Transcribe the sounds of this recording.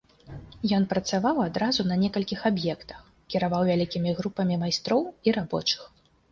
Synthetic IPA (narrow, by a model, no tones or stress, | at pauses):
jɔn̪pɾɐt̪savawad̪ɾazunɐnʲɛkɐlʲkʲixabjɛkt̪ɐ̥x | kʲiɾavawvʲalʲikʲimʲiɣɾupɐmʲimajst̪ɾɔwiɾabɔ̰t͡ʂɨ̥x